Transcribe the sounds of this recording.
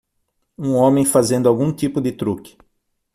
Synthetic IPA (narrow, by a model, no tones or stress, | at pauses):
ũõmẽj̃fazẽnd̪ʊawɡũt̪ipʊd̪ɪt̪ɾukɪ̥